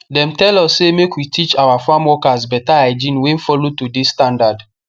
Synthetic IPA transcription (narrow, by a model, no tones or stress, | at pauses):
dɛ̃mtɛlɔsːemekwitʰit͡ʃawafamwɔkazbɛtaaɪd͡ʒĩnwɛ̃nfɔlotudisːtãndad